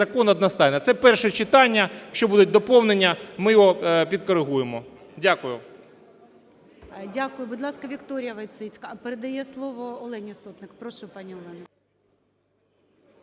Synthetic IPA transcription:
ɐkɔnɐd̪nɐst̪ɑjnɐt̪sɛpɛrʃɛt͡ʃɪt̪ɑnʲːɐʃt͡ʃɔbud̪ʊt̚ʲd̪ɔpɔwnenʲːɐmɪjɔɦɔpʲid̪̚kɔɾɪɦujemɔ | dʲakʊjʊ | dʲakʊjʊbʊd̪lˠɑskɐʋʲikt̪ɔɾʲɪjɐʋɐjt̪sɪt͡sʲkɐpeɾed̪ɐjɛslˠɔʋɔːlˠɛnʲisɔt̪nɪkpɾɔʃupɑnʲiɔlˠɛnɐ

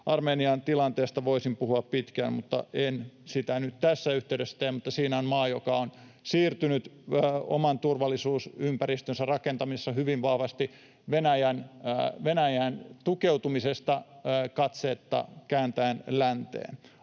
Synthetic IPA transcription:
ʔɑrmeːniɑnt̪ilɑnt̪eːst̪ɑʋoisimpuhuɑppit̪kæːmmut̪ːɑ̰ʔensit̪ænyt̪t̪æsːæyht̪eywdesːæ̥t̪eːmmut̪ːɑsiːnæonmɑːjokɑon | siːrt̪ynyt̪ːo̰mɑnt̪urʋɑlːˑisuːsympærist̪ønsærɑkent̪ɑmisesːɑhyʋiʋʋɑhʋɑst̪i | ʋenæjænʋenæjæːnt̪ukeut̪umisest̪ɑkɑt̪seːt̪ːɑ̰kæːnt̪æːnlænt̪ḛːn

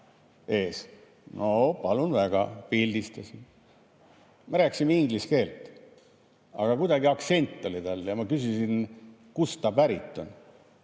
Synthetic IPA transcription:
e̞ːs | nʔopɑlunvæɡ̥ɑ̰pild̪ist̪ɑsin | meɾæːkːˑsimeiŋɡliske̞ːlt̪ˑ | ɑ̰ɡ̥ɑkud̪ɑɡiɑkt̪se̞nʲt̪ˑːo̞lit̪ɑlːjɑmɑkys̬isin | kust̪ɑpæɾit̪ˑːon

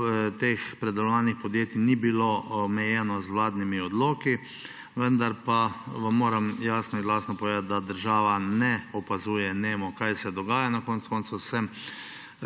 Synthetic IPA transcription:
t̪eːxpɾɛd̪ɛlɔʋaːnixpɔd̪jeːt̪inibilomɛjɛːnɔzʋwlaːd̪nimiɔd̪loːki | ʋənd̪aɾpaʋamːoːɾamjaːsnɔinlaːsnɔpɔʋeːd̪at̪̚d̪ad̪əɾʒaːʋanɛɔpazuːjɛneːmɔkajsɛd̪ɔɡaːjanakɔːnt̪skoːnt̪susɛm

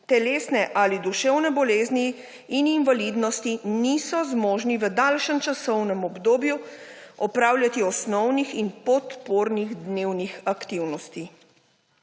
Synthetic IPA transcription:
t̪ɛleːsnɛʔalid̪uʃɛwnɛbɔleːzniː | ninvalid̪nɔst̪inisɔzmoːʒniʋəd̪alʃənt͡ʃasɔwnɛmɔbd̪oːbju | ɔpɾaːwlʲjat̪iɔsnɔwnixinpɔt̪poːɾniɣd̪newnixakt̪iwnɔst̪i

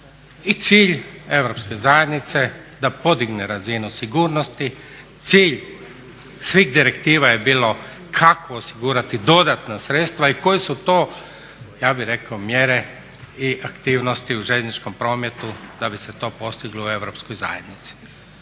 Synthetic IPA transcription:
it̪siːʎe̞ʋɾo̞pske̞zajed̪nit̪se̞ | d̪apo̞d̪iɡneɾazinusiɡuːɾnost̪i | t̪siːʎ | sʋiːɣd̪iɾekt̪iːʋajebiːlo̞ | kʰakʰoːsiɡuːɾat̪id̪o̞d̪at̪nasɾet̪st̪ʋaiko̞jisut̪o̞ː | jaːbiɾe̞kaomjeːɾe | iʔakt̪iːʋnost̪iuʒeʎʲnit͡ʃko̞mpɾo̞ːmet̪ud̪abise̞t̪o̞ːpo̞st̪iɡloe̞ʋɾopskojza̰jed̪nit̪si̥

